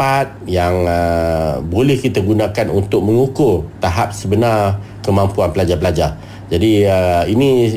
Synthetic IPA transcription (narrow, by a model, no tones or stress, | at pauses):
at̪̚jaŋəbolɛhkit̪aɡunãkanunt̪ʊk̚mə̃ŋukʊrt̪aɦap̚səbəna | kəmãmpuanpəlad͡ʒapəlad͡ʒa | d͡ʒadiəinĩ